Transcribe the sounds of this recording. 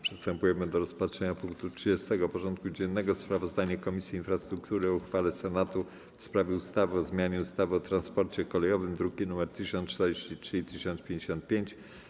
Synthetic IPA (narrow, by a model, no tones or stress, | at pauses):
pʂɛ̥st̪ɛmpujɛmɘd̪ɔɾɔspatʂɛɲapuŋk̚t̪utʂɘd͡ʑɛst̪ɛɡɔpɔʐɔnt̪̚kud͡ʑɛnːɛɡɔspɾavɔzd̪aɲakɔmʲisʲjiːnfɾast̪ɾukt̪uɾɘɔuxfalɛsɛnat̪u | fspɾavʲjɛust̪avɘɔzmʲjaɲɛust̪avɘɔt̪ɾanspɔɾt͡ɕɛkɔlɛjɔvɘmd̪ɾuɡʲinumɛɾt̪ɘɕɔnt̪ɛɾd͡ʑeɕt͡ɕitʂɘit̪ɘɕɔnpʲjeɲd͡ʑeɕɔnt̪̚pʲjeɲt͡ɕ